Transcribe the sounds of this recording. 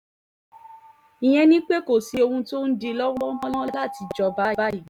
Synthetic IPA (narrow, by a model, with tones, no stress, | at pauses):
ĩ˨j̃ɛ̃˧nĩ˦k͡pe˦ko˦˨si˨˧o˧hũ˧to˦n̩˦di˧lɔ˦wɔ˦mɔ̃˦lɔ̃˦la˦˨ti˨˧d͡ʒɔ˧ba˦a˦i˨˦˨